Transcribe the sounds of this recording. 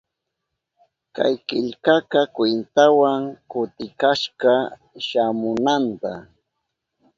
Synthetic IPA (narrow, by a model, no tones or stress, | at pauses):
ka̰jkɪʎkakakwɪnt̪awaŋkʊt̪ɪkaʃɢɑ | ʃamʊnant̪a